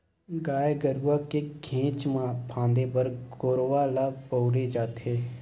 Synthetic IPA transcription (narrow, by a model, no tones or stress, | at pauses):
ɡaːeɡəɾuakeɡʰʱẽːt͡ʃmãpʰãːnd̪ebəɾɡoːɾoʋalaːpoʊɾed͡ʒaːt̪eː